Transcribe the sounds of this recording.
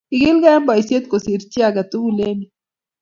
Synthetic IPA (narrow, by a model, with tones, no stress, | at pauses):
iɡi˦lɡa˦a˦mba˨ise˦t̪̚kosi˨ɾt͡ʃi˦aɡat̪u˦ɡule˦mi